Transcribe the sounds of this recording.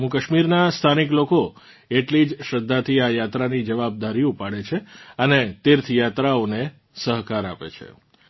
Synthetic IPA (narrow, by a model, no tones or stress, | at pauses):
mukəʃmiɾnast̪ʰanikloko | eʈlid͡ʒʃəd̪ʱːat̪ʰiajat̪ɾanid͡ʒəʋab̚d̪aɾiupaɽet͡ʃʰeənet̪ɪɾt̪ʰjat̪ɾaone | səɦkaɾapḛt͡ʃʰḛ